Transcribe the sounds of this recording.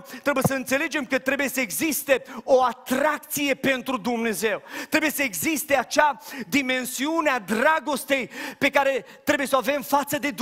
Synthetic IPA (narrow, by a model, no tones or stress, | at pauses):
t̪ɾe̞bujesəɨnt̪se̞le̞d͡ʒe̞mkət̪ɾe̞bujesəeɡzist̪e̞o̞at̪ɾak̚t̪sije̞pe̞nt̪ɾud̪umne̞ze̞wt̪ɾe̞buje̞səeɡzist̪e̞at͡ʃad̪ime̞nsiunead̪ɾaɡo̞st̪e̞jpe̞kaɾe̞ | t̪ɾebujesoave̞mfat̪səd̪e̞d̪